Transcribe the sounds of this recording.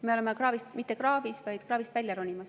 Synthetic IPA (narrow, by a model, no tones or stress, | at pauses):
me̞oemekrɑːvist̪mit̪ːˑekrɑːvisvɑjd̪̥krɑːvist̪vælʲjɑɾonʲimɑs